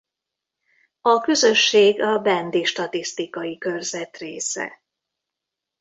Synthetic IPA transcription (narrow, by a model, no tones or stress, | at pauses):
ɒkøzø̞ʃːeːɡɒbɛnd̪iʃt̪ɒt̪ist̪ikɒjikø̞rzɛt̪reːsɛ̰